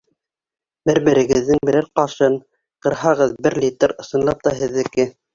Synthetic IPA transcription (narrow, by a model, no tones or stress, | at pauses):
bɘɾbɘ̆ɾɘ̆ɡɘ̆ðːɘŋbɘ̆ɾæɾqɑʃɤn | qɤ̆ɾɦɑʁɤðbɘɾlʲit̪rɤ̆sɤ̆nlˠɑp̚t̪ɑɦɘ̆ðɘ̆kɘ